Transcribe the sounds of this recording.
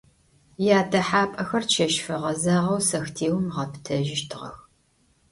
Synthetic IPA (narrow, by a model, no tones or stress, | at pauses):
jaːdɐħaːpʼɐxɐrʃʰɐʃfɐʁɐzɐʁɐwsɐxtʰeːwmʁɐptʰɐʒɪʃtʰɨʁɐ̰x